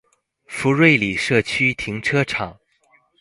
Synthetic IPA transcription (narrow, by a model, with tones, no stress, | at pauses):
fu˧˥ɻwe˥˩ɪli˨˩ʂɤ˥˩t͡ɕʰy˥t̪ʰi˧˥ŋʈ͡ʂʰɤ˥ʈ͡ʂʰɑ˨˩˦ŋ